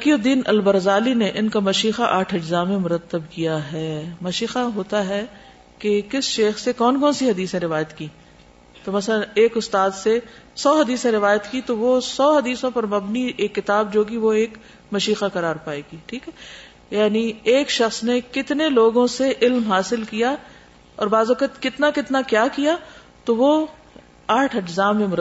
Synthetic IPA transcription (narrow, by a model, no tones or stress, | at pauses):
kiod̪iːnɐlbɐɾzaːlineʔɪnkamɐʃiːxaʔaːʈʰɪd͡ʒzaːmẽmʊɾət̪ːəbkijaɦɛːmɐʃiːxaɦoːt̪aɦɛ | kekɪsʃeːxsekɔːnkɔːnsiɦɐd̪iːsẽɾɪʋaːjət̪kiː | t̪omɐsləneːkʊst̪aːd̪se | sɔːɦɐd̪iːsẽɾɪʋaːjət̪kit̪oʋosɔːɦɐd̪iːsõpɐɾmɐbnieːkːɪt̪aːbd͡ʒoːɡiʋoeːk | mɐʃiːxakɐɾaːɾpaːeɡiʈʰiːkɦɛ | jaːnieːkʃɐxsnekɪt̪neloːɡõseʔɪlmɦaːsɪlkija | ɔːɾbaːzɔːkət̪kɪt̪nakɪt̪nakjaːkija | t̪oʋo | aːʈʰɐd͡ʒzaːmːẽmʊɾ